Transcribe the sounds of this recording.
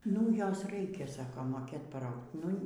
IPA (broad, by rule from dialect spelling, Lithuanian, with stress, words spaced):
nʊ ˈjoːs ˈrɐɪkʲɛ ˈsɑːkoː moːˈkʲeːt pɐˈrɐʊkt nʊ